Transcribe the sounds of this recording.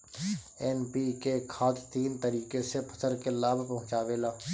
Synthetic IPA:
ɛːnpikekʰaːt̪t̪iːnt̪əɾiːkesepʰə̥səɾkelaːbʱpɐɦʊ̃t͡ʃaːʋeːlaː

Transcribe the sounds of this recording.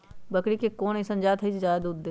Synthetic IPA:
bɐkɽikekoːnisɐ̃nd͡ʒaːt̪ʰɦɐisd͡ʒaːjd̪uːd̪ːe

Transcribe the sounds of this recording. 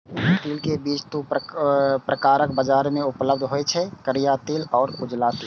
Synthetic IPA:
t̪iːlkebiːt͡ʃʰt̪u | pɾəkaːɾəkbəd͡ʒaːɾmẽʊpləb̚d̪ʱɦoet͡ʃʰɛkəɾijat̪iːlɔːɾʊd͡ʒlaːt̪i

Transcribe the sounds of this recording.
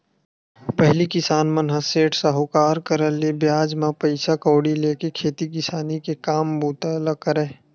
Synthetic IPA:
pəɦlikɪsaːnmənɦəseːʈʰsɐɦokaːɾkəɾəlebjaːd͡ʒmãpəɪsakoːɽileːkekʰeːt̪ikɪsaːnikekaːmbuːt̪aləkəɾe

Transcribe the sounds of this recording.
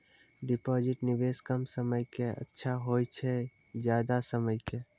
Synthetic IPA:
ɖɪpod͡ʒɪʈnɪʋeskəmsəməjkeə̰tːʃʰaɦojt͡ʃʰɛ | d͡ʒjaːd̪asəməjke

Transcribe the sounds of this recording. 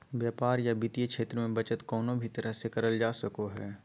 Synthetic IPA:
ʋjaːpaːɾjabit̪ijekʃeːt̪ɾəmẽbɐt͡ʃət̪kɔːnõbʱit̪ɐɾəɦsekɐɾəld͡ʒaːsɐkoɦɛː

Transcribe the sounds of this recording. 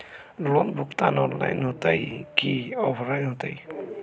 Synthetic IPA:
lɔnbʱukt̪anɔɾla̰jnɦot̪ajkiɔbʱɾajnɦot̪aj

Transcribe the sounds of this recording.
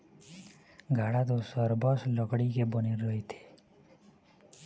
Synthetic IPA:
ɡʱaɽad̪osɔɾbɔslɔɡɽikebɔniɾəɦit̪ʰe̥

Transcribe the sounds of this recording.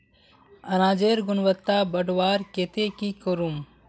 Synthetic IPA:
ɐnaːd͡ʒeːɾɡʊnʋət̪ːabəɖʋaːɾket̪ekikoɾum

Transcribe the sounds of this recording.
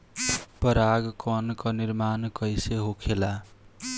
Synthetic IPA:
pʌɾaɡkʌnkʌniɾmankʌjseɦokʰela

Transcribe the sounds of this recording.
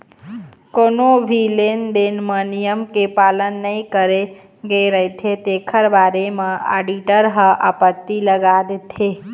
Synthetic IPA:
koːnobʱilend̪enmənijəmkepalənːəĩkəɾe | ɡəeɾəɦet̪ʰet̪ekʰəɾbaɾemẽa̰ɖiʈəɾɦəʔapət̪ːiləɡad̪et̪ʰe

